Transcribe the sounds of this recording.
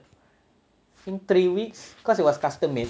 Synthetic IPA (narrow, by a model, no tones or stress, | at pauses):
ɪnt̪ɾiwikskɔsiwɔskast̪əme